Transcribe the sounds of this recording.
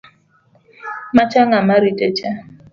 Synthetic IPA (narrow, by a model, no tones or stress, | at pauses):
mat͡ʃaŋamaɾitet͡ʃa